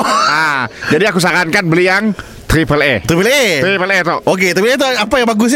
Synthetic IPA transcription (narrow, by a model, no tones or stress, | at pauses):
ad͡ʒadiakus̬akankanbəlijaŋ | t̪ɾipəlḛt̪ɾipəlet̪ɾipəlet̪ɔʔok̬et̪ɾaipəlt̪̬uapajaŋbaɡʊs̬ɲ